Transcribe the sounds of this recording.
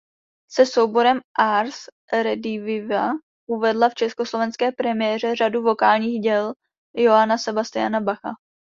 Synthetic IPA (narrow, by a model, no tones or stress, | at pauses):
sɛso̞wbo̞ɾɛmʔaɾs | ɾɛdɪvɪva | ʔuvɛdlaft͡ʃɛskoslo̞vɛnskɛːpɾɛmɪjɛːr̝ɛr̝aduvo̞kaːlɲiːɣɟɛl | joanasɛbast̪ɪa̰nabaxa̰